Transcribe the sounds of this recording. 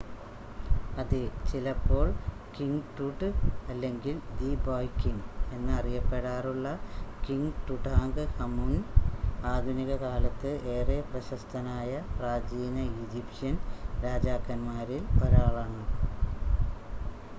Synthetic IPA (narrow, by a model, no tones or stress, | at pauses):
ɐðɨt͡ɕilɐpːo̞ːɭ | kiŋɡʈuʈːɨɐlːe̞ŋɡild̪iboːjkːiŋɡe̞nːɨɐrijɐpːe̞ɽaːruɭːɐkiŋʈ̪uʈaːŋɡɨhɐmun | aːd̪ʱuniɣɐkaːlɐt̪ːɨʔe̞ːreːprɐɕɐst̪ʰɐnaːjɐpraːd͡ʑiːnɐid͡ʑipʂɐnɾaːd͡ʑaːkːɐnmaːɾiloɾaːɭaːɳɨ